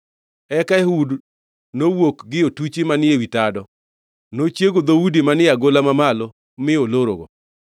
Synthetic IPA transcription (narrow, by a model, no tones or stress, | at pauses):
ɛkaɛhud | nowokɡɪotut͡ʃemanɪewitadɔ | not͡ʃjeɡod̪awudimanɪaɡolamamalɔ | mɪoloɾoɡɔ